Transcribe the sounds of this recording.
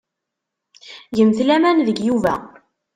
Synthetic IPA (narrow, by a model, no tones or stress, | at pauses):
jəmθlæmænðəɡjuvæ̰